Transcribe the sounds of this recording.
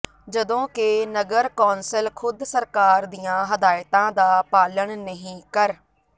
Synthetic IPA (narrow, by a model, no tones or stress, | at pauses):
d͡ʒəd̪õːkɪnəɡəɾkoːnsɪlkʰʊd̪səɾkaːɾd̪ijãːɦəd̪aːjɪt̪ãːd̪aːpaːləɳnəɦĩːkəɾ